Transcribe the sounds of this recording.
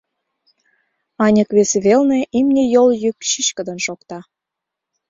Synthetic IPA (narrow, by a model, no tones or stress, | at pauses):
ɑnʲəkβeseβelneʔimnʲejoljyk̚ʃiɕkəd̪ə̆nʃokt̪ɑ